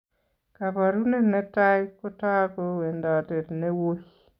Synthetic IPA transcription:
ka˨pa˨ɾu˦ne˨nɛ˦ta˦jko˦ta˦ko˦we˨nda˨te˨tne˦wo˦j

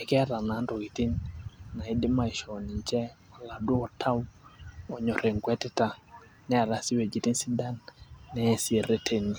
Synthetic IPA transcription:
ɛ˨kɛ˦a˦ɾa˨na˨˦ndɔ˨ki˨ti˦nna˨i˦dɪ˦ma˨i˨ʃɔ˨ni˨ɲt͡ʃɛ˦a˨la˨du˦ɔ˨tʰa˦wɔ˨ɲɔ˨ɾɛ˨ŋkwɛ˦tɛ˦ta˨ | nɛ˦a˨ɾa˨si˦we˨d͡ʒi˨ti˦nsi˦da˦nnɛ˦si˨ɾe˦tʰeni˨

